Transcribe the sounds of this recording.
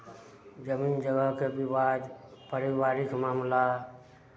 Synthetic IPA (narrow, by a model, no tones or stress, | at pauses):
d͡ʒəmiːnd͡ʒəɡəɦkebiwad̪pəɾiwaːɾikmaːmla